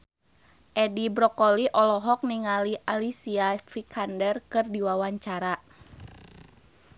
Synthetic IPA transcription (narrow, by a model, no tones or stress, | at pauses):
ʔɛdibɾɔkɔliʔɔlɔɦɔk̚niŋaliʔalisiafikʰandərkɨrdiwawaɲt͡ʃaɾa